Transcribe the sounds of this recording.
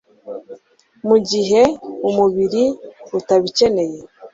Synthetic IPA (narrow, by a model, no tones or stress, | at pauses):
muɟiɦe̞umuβiɾiutaβice̞ne̞je